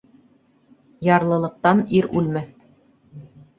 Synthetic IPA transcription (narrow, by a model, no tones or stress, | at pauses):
jɑɾlˠɤ̆lˠɤ̆q̚t̪ɑniɾʉ̰lmæθ